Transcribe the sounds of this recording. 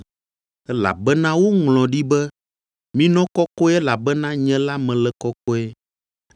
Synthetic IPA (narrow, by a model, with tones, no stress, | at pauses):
ɛ˦la̰˨bɛ˦nã˦wo˦ŋlɔ̃˨ɖi˦bɛ˦ | mĩ˦nɔ̃˦kɔ˦kɔ˦ɛ˦la˨bɛ˦nã˦ɲɛ̃˦la˦mɛ̃˨lɛ˨kɔ˦kɔ˦ɛ˦